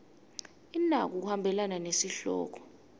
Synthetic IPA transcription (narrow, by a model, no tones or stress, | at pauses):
inak̬uk̬uhambʱɛlananesiɬɔ̰ːk̬ʰɔ̥